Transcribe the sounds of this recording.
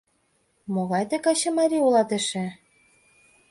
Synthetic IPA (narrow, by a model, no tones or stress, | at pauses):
moɣɑjt̪ĕkɑɕɤ̆mɑɾʲiulɑt̪ə̆ʃĕ